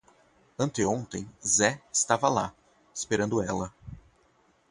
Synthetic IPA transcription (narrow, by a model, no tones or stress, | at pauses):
ɐ̃nt̪ɪõnt̪ẽj̃zɛɪst̪avɐla | espeɾɐ̃nd̪ʊɛlɐ